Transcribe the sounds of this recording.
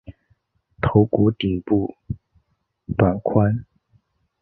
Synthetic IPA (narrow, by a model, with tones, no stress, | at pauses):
t̪ʰo˧˥ʊku˧˥˦t̪i˨˩pu˥˩ | p̪a˨˧˩nkʰwa˥n